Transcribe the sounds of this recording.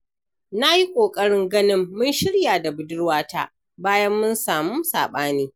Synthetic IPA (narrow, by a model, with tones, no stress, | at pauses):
na˦ji˦kʷʼoː˨kʼɐ˦ɽɪ˦ŋɡɐ˦nɪ˦mːʊ˦nʃɪ˦ɽjaː˨da˨bʊ˨˦dʊ˦ɽwaː˦ta̰˦ʔ | baː˦jɐ˦mːʊ˦nsaː˨muː˦saː˨ɓaː˦niː˦